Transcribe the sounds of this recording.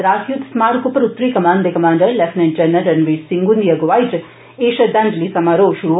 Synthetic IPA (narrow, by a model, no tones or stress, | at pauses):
ɾaːsjud̪smaːɾkupəɾut̪ːɾiːkɐmaːnd̪ekɐmaːɳɖəɾlefnẽʈd͡ʒɐnːɐɾɐnʋisiŋɡund̪ijɐɡʋaːjt | eːʃɐd̪ɐndlisɐmaɾoːʃuɾu